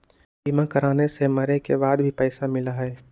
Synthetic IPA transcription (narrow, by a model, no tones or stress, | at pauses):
biːmãkɐɾaːnesemɐɾekebaːd̪bʱipɛːsamɪlaɦɛː